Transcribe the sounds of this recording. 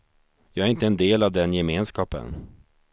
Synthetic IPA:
jɑːɡæɾɪnt̪əɛnd̪eːlavd̪ɛnjɛmeːnskɑːpə̰n

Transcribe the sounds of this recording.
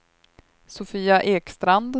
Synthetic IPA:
sɔfiːaʔeːkst̪ɾand̪

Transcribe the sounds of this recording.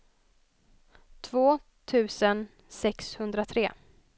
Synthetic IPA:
t̪ʰvoː | t̪ʰʉ̟ːsən | sɛkshɵnd̪ɾat̪ʰɾeː

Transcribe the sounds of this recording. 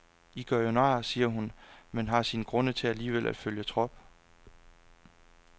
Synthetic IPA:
iɡ̥ɶɐjo̝nɑ̰̈ːsiːɐɦunmenɦɑ̈sinɡ̥ʁɔ̽nət͡sʰe̝æliːʋelʔæd̥føljət͡sʰʁɒ̽b̥

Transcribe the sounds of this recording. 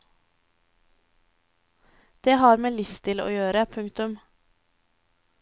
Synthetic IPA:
d̪̥eːhɑːɾmeːlɪst̪ʰɪlo̰ːjøːɾəpʰʉŋt̪ʉm

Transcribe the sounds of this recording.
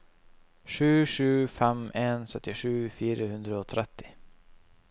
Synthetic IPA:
ʂʉ̟ːʂʉ̟ːfɛmʔensœt̪ːɪɧʉ̟ːfiːɾahɵnd̪ɾaɔt̪ʰɾɛt̪ʰːɪ̥

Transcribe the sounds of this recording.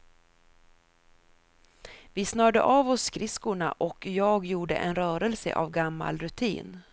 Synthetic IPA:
vɪsnœːɖə̰ʔaːvɔsːkɾɪskʊɳa̰ʔɔkjɑːɡjuːɖə̰ʔɛnɾœːɾɛlsə̰ʔa̰vɡamːa̰lɾɵt̪ʰḭːn

